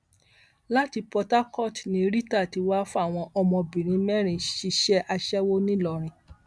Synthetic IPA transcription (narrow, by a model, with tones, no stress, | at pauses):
la˦ti˧pɔ˧ta˦kɔ˦˨tnĩ˧ɾi˦ta˦˨ti˨˧wa˦fu˦a˦˨w̃ɔ̃˧ʔɔ˧mɔ̃˧bĩ˨ɾ̃ĩ˨˧˦mɛ̃˦ɾ̃ĩ˧ʃi˧ʃɛ˦ʔa˧ʃɛ˦wo˦nĩ˦lɔ˧˨ɾ̃ĩ˧